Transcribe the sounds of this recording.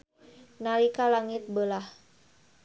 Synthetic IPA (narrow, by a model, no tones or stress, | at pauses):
nalikalaŋit̪̚bəlah